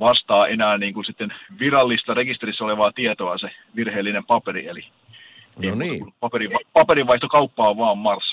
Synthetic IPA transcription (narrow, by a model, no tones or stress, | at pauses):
ʋɑst̪ɑːʔenæːniːŋkunsit̪ːenʋirɑlːist̪ɑrekist̪erisːɑoleʋɑːt̪iet̪oɑseʋirheːlːinempɑperḭeli | eiut̪ːunːupɑperiʋɑpɑpeɾiʋɑiht̪okɑupːɑːʋɑːmmɑrsː